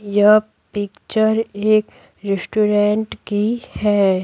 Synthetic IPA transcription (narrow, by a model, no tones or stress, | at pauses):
jɐ | pɪkt͡ʃəɾeːk | ɾɪsʈuɾẽːɳʈkihɛː